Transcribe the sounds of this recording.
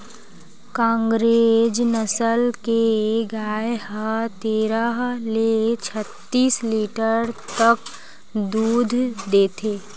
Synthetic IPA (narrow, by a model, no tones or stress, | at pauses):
kãːŋɡɾed͡ʒnəsəlkeɡaːjɦət̪eːɾəɦlet͡ʃʰət̪ːiːsliːʈəɾt̪ɐk | d̪uːd̪ʱd̪eːt̪ʰeː